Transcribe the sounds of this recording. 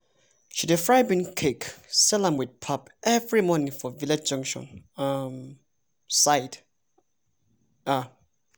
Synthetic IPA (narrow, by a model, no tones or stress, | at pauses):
ʃidefɹajbĩnkʰeksɛlãmwid̚pʰapɛvɹimɔnĩŋfɔvilɛd͡ʒd͡ʒʌ̃ŋkʃɔ̰̃nam | saɪd | a